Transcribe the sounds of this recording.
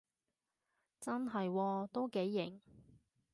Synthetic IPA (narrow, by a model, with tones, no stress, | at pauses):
t͡sɐ˥nɦɐ˨jwɔː˧t̪o˥wke˨˥jːɪ˨˩ŋ